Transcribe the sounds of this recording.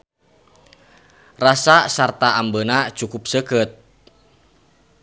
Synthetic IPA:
rasasart̪aambənat͡ʃukʊp̚səkət̪̚

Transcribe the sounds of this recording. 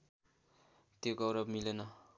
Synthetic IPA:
t̪joɡʌwɾʌbmilenʌ

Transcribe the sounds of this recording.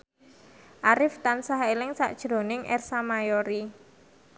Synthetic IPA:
ʔaɾɪft̪ansaɦelɪŋsa̰ʔd̥ʒ̥ɾo̤nɪŋʔɛ̰rsamajoɾi

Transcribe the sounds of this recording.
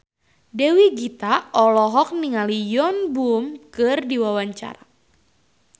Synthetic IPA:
dɛwiɡit̪aʔɔlɔɦɔk̚niŋalijɔnbumkɨrdiwawaɲt͡ʃa̰ɾa

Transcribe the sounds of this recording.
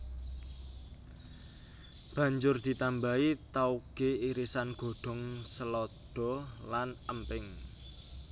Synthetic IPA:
b̥ä̤ɲd͡ʒʊrd̪̥i̤t̪ambait̪auɡ̥eiɾisanɡ̥o̤ɖ̥ɔ̤ŋsəlɔd̪̥ɔ̤lanəmpɪŋ

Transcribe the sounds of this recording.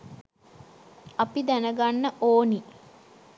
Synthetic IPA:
apid̪ænəɡanːəʔoːni

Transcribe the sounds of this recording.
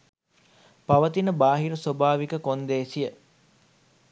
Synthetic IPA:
paʋət̪inəbaːɦiɾəsobaːʋikəkond̪eːsijə

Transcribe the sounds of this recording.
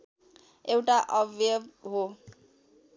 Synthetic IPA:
ewʈaʔɔveɦo

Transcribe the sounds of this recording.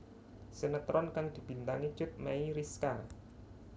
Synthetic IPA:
sənət̪ɾʔɔnkaŋd̪̥i̤b̥i̤nt̪aŋi̥t͡ʃʊt̪̚maiɾiska

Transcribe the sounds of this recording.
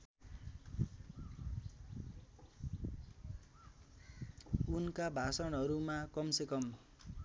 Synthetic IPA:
unkabʱasʌnɦʌɾumakʌmsekʌm

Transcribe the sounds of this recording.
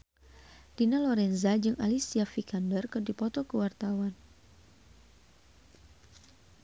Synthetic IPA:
d̥inalɔɾɛnzad͡ʒɨŋʔa̰lisiafikandərkɨrdipɔt̪ɔkəwart̪awan

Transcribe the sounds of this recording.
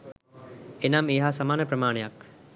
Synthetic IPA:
enameːɦasamaːnəprəmaːnejak

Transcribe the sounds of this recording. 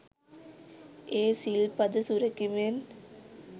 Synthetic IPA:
eːsilpɐd̪ɐsuɾɐkːimen

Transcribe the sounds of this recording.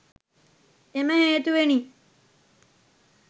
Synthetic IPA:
eməheːt̪uʋeniː

